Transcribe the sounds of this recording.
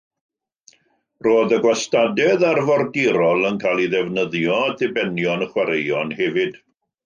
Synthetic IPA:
roːðəɡwastadɛðarvɔrɡɪɾɔlˠənkʰaːlˠiðɛvnəðjɔdɪbɛnjɔnəχwaɾejɔnhɛvɨd̥

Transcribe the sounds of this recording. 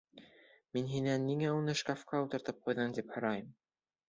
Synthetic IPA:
minɦinænːiŋæunɤʃkafkɑut̪ɤ̆ɾt̪ɤp̚qujðɤmd̪iphɤ̆ɾɑjɤm

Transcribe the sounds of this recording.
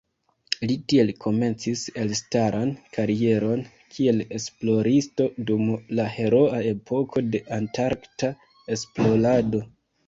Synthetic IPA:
litie̞lkʰo̞me̞nt͡sise̞lstaɾʔankʰaɾie̞ɾo̞n | kʰie̞le̞splo̞ɾisto̞dumlahe̞ɾo̞ae̞pʰo̞kʰo̞de̞ʔantaɾkta | e̞splo̞lado̞

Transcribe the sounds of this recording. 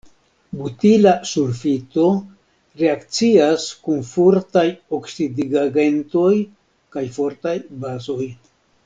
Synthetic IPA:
butilasuɾfit̪o̞ | ɾe̞akt͡siaskunfoɾtajoksidiɡaɡe̞nto̞j | kajfo̞ɾtajbazo̞j

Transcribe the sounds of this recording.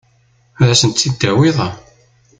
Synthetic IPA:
æðæsənt̪θid̪ːæwiðˤɑ

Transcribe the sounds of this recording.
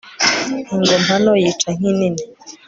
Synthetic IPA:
hiŋɡɔmʰanɔjitʰaŋ̥inini

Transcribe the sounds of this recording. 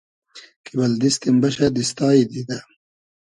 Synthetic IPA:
kibɐld̪ist̪imbɐɕɐd̪ist̪aːid̪id̪a

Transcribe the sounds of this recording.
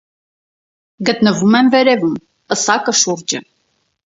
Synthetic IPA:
ɡət̪nəvumɛmvɛɾɛvum | əsɑkəʃuɾd͡ʒə

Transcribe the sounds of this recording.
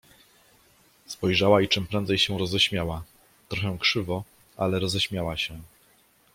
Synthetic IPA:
spɔjʐawait͡ʂɘmpɾɛnd̪zɛjɕɛɾɔzɛɕmʲjawa | t̪ɾɔxɛ̃kʂɘvɔ | ʔalɛɾɔzɛɕmʲjawaɕɛ

